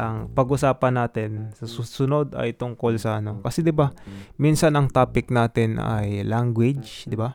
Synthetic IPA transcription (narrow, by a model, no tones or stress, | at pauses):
ʔɐŋpɐɡʔʊsaːpɐnːaːt̪ɪnsɐsusʊno̞d̪ɐ̰jt̪ʊŋko̞lsɐʔɐno̞kɐsɛd̪ɪbaminsɐnɐŋt̪aːpɪk̚naːt̪ɪna̰jlaŋɡwɪd͡ʒd̪ɪba